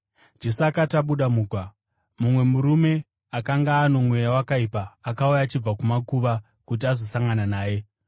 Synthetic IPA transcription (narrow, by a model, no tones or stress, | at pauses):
d͡ʒe̞suakataɓuɗamuːkwa | mumwe̞muɾume̞ | akaŋɡaːno̞mwe̞jawakaipaːkaujaːt͡ʃib͡vakumakuʋa | kut̬iazo̞saŋɡananaːje̞